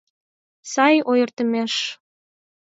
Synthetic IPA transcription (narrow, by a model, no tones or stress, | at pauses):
sɑjojərt̪əmeʃ